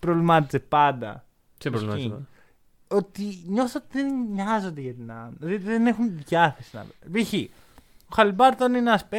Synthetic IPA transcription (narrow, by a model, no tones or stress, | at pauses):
pɾovlimɐt̪izepɐnd̪ɐ̰ | i | ot̪iɲoθot̪ðenɲɐzo̞nd̪eʝɐt̪inɐmot̪iðenexunʝɐθesinɐ̰lviçi | oxɐlibɐɾt̪oninɐspe